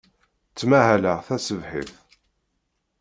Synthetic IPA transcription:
t͡sːmæhæləʁθæsəvħḭθ

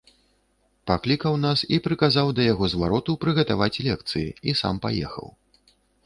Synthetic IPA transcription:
paklʲikɐwnasipɾɨkazawd̪ɐjaɣɔzvaɾɔt̪upɾɨɣɐt̪avat͡sʲlʲɛk̚t̪sɨjḭisa̰mpajɛ̰xɐ̰w

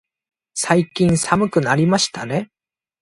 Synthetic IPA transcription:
saikʲĩɰ̃samɯ̟kɯ̟naɾʲimaɕi̥t̪ane̞

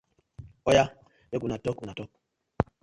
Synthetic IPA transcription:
ɔja | bekunatɔkunatɔk̚

